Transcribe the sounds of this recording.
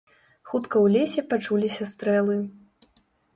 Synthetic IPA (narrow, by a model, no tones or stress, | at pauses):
xut̪kɐwlʲesʲɛpat͡ʂulʲisʲɐst̪ɾɛlˠɨ